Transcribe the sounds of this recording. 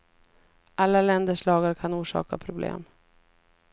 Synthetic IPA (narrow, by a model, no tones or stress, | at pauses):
ʔalːalɛnd̪əʂlɑːɡaɾkʰanuːʂɑ̰ːka̰pʰɾʊblḛːm